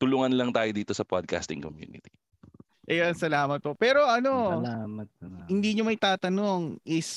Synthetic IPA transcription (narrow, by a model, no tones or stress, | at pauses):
t̪ʊluŋɐnlɐŋt̪aːjod̪iːt̪o̞sɐpad̪̚ka̰st̪ɪŋkomjṵːnɪ̰t̪i | ʔɛjonsɐlaːmɐt̪̚popɛːɾo̞ʔɐno̞amɐt̪̚hɪnd̪iːɲomɐjt̪aːt̪ɐno̞ŋʔɪs